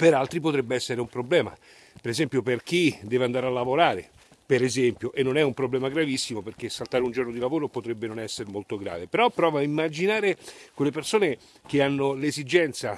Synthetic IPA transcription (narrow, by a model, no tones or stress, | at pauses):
peɾalt̪ɾipot̪ɾɛbːeɛsːeɾeumpɾoblɛːma̰ | peɾezɛmpjoperk̟id̪ɛːveand̪aːɾealːavoɾaːɾḛ | peɾezɛmpjoʔenːonɛumpɾoblɛːmaɡɾavisːimoperk̟esːalt̪aːɾeund͡ʒornod̪ilavoːɾopot̪ɾɛbːenonɛsːeɾmolt̪oɡɾa̰ːvepeɾɔpːɾɔːvaimːad͡ʒinaːɾekwelːepersoːne | k̟eanːolezid͡ʒɛnt̪sa